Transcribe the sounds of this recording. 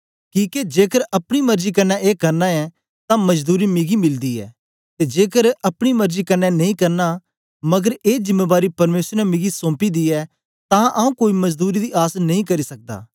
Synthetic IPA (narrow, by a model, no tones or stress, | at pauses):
kĩːked͡ʒeːkəɾɐpɽ̃imɐɾd͡ʒikɐɾnaʔeːkɐɾnaɛ | t̪ãmɐd͡ʒd̪uːɾimɪɡimɪld̪iɛ̰ː | t̪ed͡ʒeːkəɾɐpɽ̃imɐɾd͡ʒikɐnɛnɐĩkɐɾna | mɐɡəɾeːzɪmːeːbaːɾipɐɾmeːsɾnɛmɪɡisõːpid̪iɛː | t̪ãʔɐũkoːimɐd͡ʒd̪uːɾid̪iʔaːsnɐɦĩkɐɾisɐk̚d̪a̰ː